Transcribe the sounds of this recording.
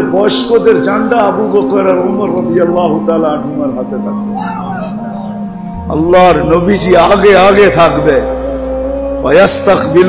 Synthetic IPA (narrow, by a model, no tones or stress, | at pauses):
bɐʃkod̪eɾd͡ʒãːnd̪aːɐbuːbɐqəɾɐlʊməɾːɐd̪ijɐlːaːɦʊt̪aːlaːɐnɦʊmɐlɦɐt̪et̪ʰɐk̚b̪e | ɐ̰lːɑːɾnɐbid͡ʒiaːɡeaːɡet̪ʰakb̪e | wɐjɐst̪ɐkbɪl